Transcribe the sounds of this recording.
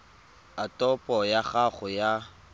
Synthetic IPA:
atʼɔpʼɔjaχaχʊja

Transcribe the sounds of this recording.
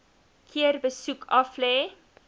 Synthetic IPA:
kʰiərbəsukʰɐflɛː

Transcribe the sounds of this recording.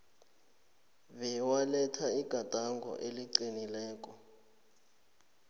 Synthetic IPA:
βɛwalɛtʰaiɡ̥ʱad̥ʱaŋɡʱɔ̰ʔeliǀinilɛːk̬ʼɔ

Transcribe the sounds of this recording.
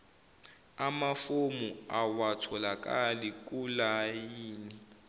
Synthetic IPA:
amafomuawatʰɔlakʼalikʼulajiːni

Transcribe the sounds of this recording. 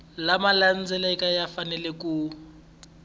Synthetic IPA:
lamalan̩d͡zɛlɛkajafanɛlɛku

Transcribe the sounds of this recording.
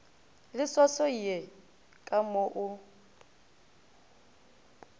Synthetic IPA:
lɪswasɔiɛ | kʼamoʔʊ

